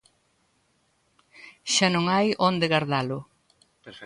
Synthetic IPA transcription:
ʃanõŋajond̪ɪɣaɾðalʊ

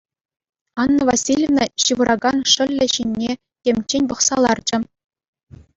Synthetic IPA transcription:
ɑnːɤ̆vasʲilʲevnɤ̆ɕɯʋɤ̆ɾʔɑɡɑnʂɘ̆lʲːɘ̆ɕinʲːe | tʲemʲt͡ɕːenʲpɤ̆χsɑlˠɑrd͡ʑɘ̆

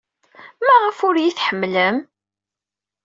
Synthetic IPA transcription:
mæʁəfʊɾjiθħəmːləm

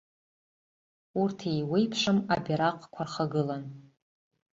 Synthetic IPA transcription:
urtʰejwejpʰʂamabʲiɾaqʼkʷʰarχaɡɨlan

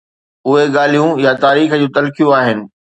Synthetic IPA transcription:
ʊɦeɠaːl̤ijũjat̪aːɾiːxd͡ʑũːt̪ɐlkijũaːɦɪnɪ̆

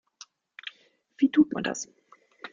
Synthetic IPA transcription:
vitʰut̚ma̰nda̰s

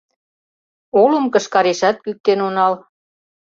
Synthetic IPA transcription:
oləmkə̆ʃkɑɾeʃɑt̪̚kyk̚t̪enonɑl

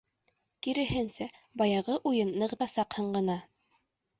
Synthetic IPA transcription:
kiɾɘ̆ɦɘnsæbɑjɑʁɤʔujɤnːɤ̆ʁt̪ɑsɑqhɤ̆ɴɢɤ̆nɑ

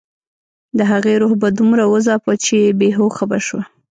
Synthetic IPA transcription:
d̪əɦaɣeɾohbad̪umɾawəzɑpat͡ʃebeɦoxabaʃwa

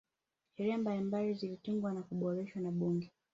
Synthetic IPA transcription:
hɛɾɛambalimbalizilitiŋɡwanakuɓɔɾɛʃwanaɓuŋɡɛ

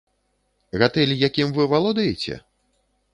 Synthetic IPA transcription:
ɣat̪ɛlʲijakʲimvɨvalˠɔd̪ɐjet͡sʲɛ̰

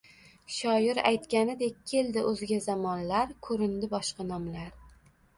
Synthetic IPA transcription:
ʃɒjɪɾa̰jt̪kʲanɪd̪e̞kʲːʰe̞ld̪ɪʔɵzɪɡʲazamɒnlaɾkʰɵɾɪnd̪ɪbɒʃqɑnɒmlaɾ

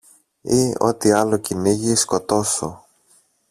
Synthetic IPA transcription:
io̞̰t̪iɐlociniʝisko̞t̪o̞so̰

